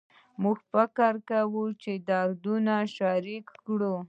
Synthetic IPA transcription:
muɡfɪkaɾkawut͡ʃed̪ɑɾd̪unaʃaɾikːɽu

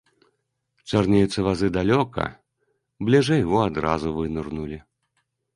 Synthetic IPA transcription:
t͡ʂarnʲɛjut̪sɐvazɨd̪alʲɔkɐ̰ | blʲɛʐɛjɣɔad̪ɾa̰zuvɨnurnulʲi

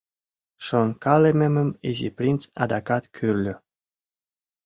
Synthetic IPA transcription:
ʃonkɑlememə̆meziprint͡sɑ̰d̪ɑkɑt̪kʰyrlʲø

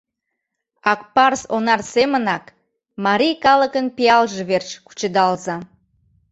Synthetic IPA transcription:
ɑk̚pɑrsonɑrsemənɑk | mɑɾʲijkɑləkənpiɑlʒeβert͡ɕku̥t͡ɕəd̪ɑlzɑ

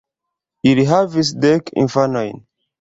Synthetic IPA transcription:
iɾiɦavis̬dɛkḭ̃nfanɔ̃j̃n

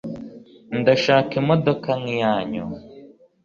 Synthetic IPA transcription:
n̩d̪ɔʃakimɔd̪ɔkaŋjaːɲɔ̰

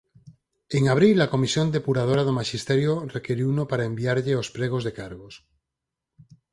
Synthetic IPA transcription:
eŋaβ̞ɾilːako̞misjond̪epuɾað̞oɾað̞omaʃist̪eɾjorekeɾiunopaɾaembiaɾʎeospɾeɣ̞ozðekaɾɣos

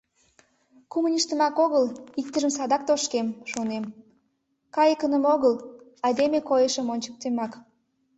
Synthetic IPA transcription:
kumənʲiʃt̪ə̆mɑkoɣəlik̚t̪əʒəms̬ɑd̪ɑk̚t̪oʃkemʃonem | kɑjəkənəmoɣəl | ɑjd̪emekojəʃəmonʲt͡ɕə̥k̚t̪emɑk

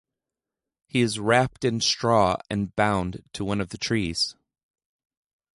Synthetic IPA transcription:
hiɨzɹæp̚tɨ̃nstɹ̥ɔɨ̰̃nbãʊ̃ntʰəwʌ̃nʌvðɨtʰɹ̥iz̥

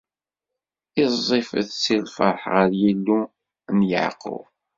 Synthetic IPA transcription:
ɪzˤːefə̰θt͡sːilfə̰ɾˤħʁəɾjilːu | njə̰ʕqə̰

